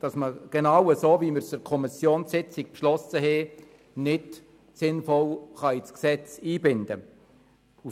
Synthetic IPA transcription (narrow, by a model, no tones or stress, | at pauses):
d̥ɑsməɡ̥enɑwəsoːviməɾsəɾkʰɔmɪsjoːnsɪt͡sɪk̚pʃlɔsəɦɛ | nɪt | sɪnfɔlχɑit͡sksɛt͡siːbɪnd̥ə̰ | u